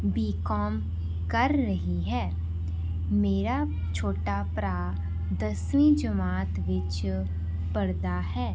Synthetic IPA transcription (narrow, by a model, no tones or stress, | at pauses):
biːkɔːm | kəɾːɐɦiɦɛː | meːɾa | t͡ʃʰoːʈapɾaː | d̪əsnĩd͡ʒəmaːt̪ʋɪt͡ʃ | pɐɾd̪aɦɛː